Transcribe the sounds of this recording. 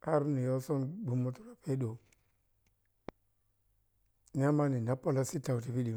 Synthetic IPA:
a˦ɾni˨jo˦so˦nbu˨mːo˦tu˦ɾa˨pe˦do˨ | n˦e˦ma˦ni˨na˦po˦la˦si˦ta˨u˨ti˨pi˦di˨

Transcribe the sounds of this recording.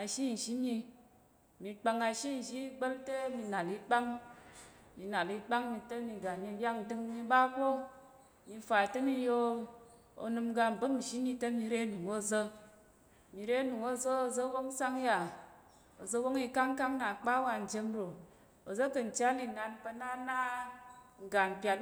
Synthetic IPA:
a˨ʃi˦n̩˨ʃi˦mi˧ | mi˧k͡pa˧ŋa˧ʃi˦n̩˨ʒi˦ɡ͡bə˦ltə˦mi˧na˨li˧k͡pa˦ŋ | mi˧na˨li˧k͡pa˦ŋmi˧tə˦mi˧ɡa˨mi˧lʲa˦kn˨tɨ˧ŋmi˧ba˦kʷo˦ | mi˧˦fa˨tə˦mi˦˧jo˧ | o̰˧nɨ˧mɡa˧m̩˨bɨ˦m̩˨ʃi˦mi˧tə˦mi˧ɾe˦nu˨ŋo˧zə˧ | mi˨ɾe˦nu˨ŋo˦zə˦o˨zə˦wo˦ŋ˦sa˦ŋja˨ | o˨zə˧˦wo˦ŋi˧ka˦ŋka˦ŋna˨k͡pa˦wa˧n̩˨d͡ʒe˧mɾo˨ | o˨zə˦kɨ˧n̩˨t͡ʃa˦li˧na˧npə˧na˦na˦ | ŋ̩˨ɡa˨n̩˨pʲa˧

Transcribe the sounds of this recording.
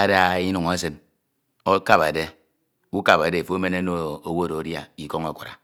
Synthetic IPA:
a˦da˦i˦nu˨ŋa˦sɨ˦n | o˦ka˦˨ba̰˨de˦ | u˦ka˨ba˨de˨fo˦o˦me˦ne˦no˦o˨wo˦˨ɾo˨˦dja˨i˨ko˦ŋe˨ku˨ɾa̰˨

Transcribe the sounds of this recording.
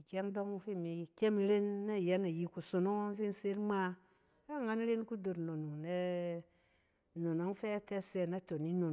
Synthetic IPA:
ke˦ŋdo˦ŋu˦fi˦mi˨kʲe˦mi˦ɾe˦nːe˦˨je˨˦na˨ji˨ku˨so˨no˦ŋo˦n˦fi˦nse˦ɾma˦ | a˦ŋa˦n˦ɾe˦n˦ku˦do˨ɾno˨nu˨ne˦ | no˨no˦ŋfe˦te˦se˨na˦to˨ni˦no˨n˨

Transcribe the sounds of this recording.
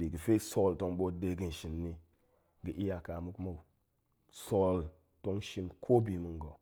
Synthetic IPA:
bi˨ɡə˨fe˦so˦lto˨˦ŋɓo˦de˦ɡi˦n˨ʃi˨nːi˦ | ɡi˨ʔi˦ja˨ka˨mu˦kma˦u˨ | so˦l | to˦ŋʃi˦nkʰo˦bi˨mu˦ŋɡo˨

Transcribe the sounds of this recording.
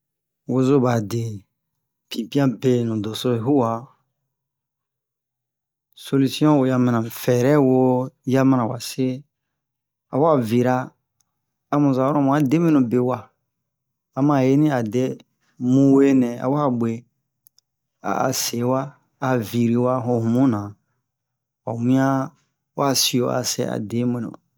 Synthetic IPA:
wo˧zo˦ba˨de˨ | pĩ˨pi˦ã˦be˨nũ˨do˨so˦˨ɦu˦wa˨ | so˧li˦si˦ɔ̃˦wo˨ja˧mã˨nã˨fɛ˨ɾɛ˦wo˦˧ja˦mã˦nã˨wa˨se˦ | a̰˨wa˦vi˨ɾa˦˨ | mũ˨za˨wɾɔ̃˦mũ˨a˨de˦mĩ˦nũ˨be˨wa˨ | a˨mã˨je˦nĩ˦a˨dɛ˦ | mũ˦we˦nɛ̃˨a̰˨wa˦a˦be˨ | a̰˨a̰˨se˨˦waː˦˨ | vi˨ɾi˨wa˦ɦõ˧hũ˨mũ˦nã˨ | wa̰˨mĩ˦ã˦ | wa˦a˨si˨o˦˨ʔa̰˨sɛ̰˦a̰˨de˨˦mĩ˨nṵ̃˨

